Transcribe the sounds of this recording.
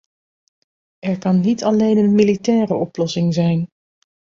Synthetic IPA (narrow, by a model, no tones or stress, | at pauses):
ɛɹkɑnːitʰɑlejnənmilitɛːrəʔɔplɔsɪŋzɛjn